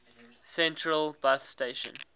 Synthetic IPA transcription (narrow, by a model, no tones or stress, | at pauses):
sɛ̃ntʰɹəlˠbasteɪʃə̰̃n